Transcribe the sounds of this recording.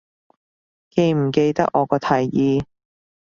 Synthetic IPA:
ke˧jm̩˨˩ke˧jt̪ɐ̰˥k̚ʔɔː˨˧kɔː˧t̪ʰɐ˨˩jjiː˨˧

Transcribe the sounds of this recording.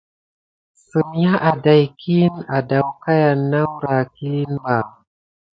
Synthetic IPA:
su˨m˦ja˦ʔa˨da˨jkʰi˦na˨da˨wka˦ja˨nːa˦wɾa˨ki˦nba˨

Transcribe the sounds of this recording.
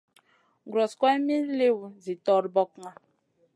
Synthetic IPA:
ɡɾɔ˨skʷa˦e˦mi˦le˦wzi˨tɔ˨ɾbɔ˦kŋa˨

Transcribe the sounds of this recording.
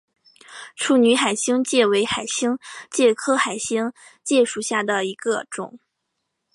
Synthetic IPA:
ʈ͡ʂʰu˥˩ny˧˥xa˨˩ɪɕi˥ŋt͡ɕjɛ˥˩we˧˥ɪxa˨˩ɪɕi˥ŋt͡ɕjɛ˥˩kʰɤ˥xa˨˩ɪɕi˥ŋ | t͡ɕjɛ˥˧ʂu˥˩ɕja˥˩d̪ə˩i˧˥ɡə˧ʈ͡ʂʊ̰˨˩˦ŋ

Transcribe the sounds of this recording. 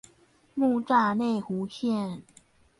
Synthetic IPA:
mu˥˧ʈ͡ʂa˥˧ne˥˩ɪxu˨˥ɕjɛ˥˨n

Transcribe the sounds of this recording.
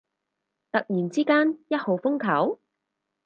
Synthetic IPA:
t̪ɐ˨k̚jiː˨˩nt͡siː˥kaː˥njɐ˥t̚ho˨˩wfʊ˥ŋkʰɐ˨˥w

